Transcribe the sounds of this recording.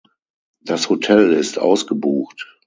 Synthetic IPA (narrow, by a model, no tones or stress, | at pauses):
d̥ashotʰɛlɪstʔa̰ʊsɡ̥əbuːxt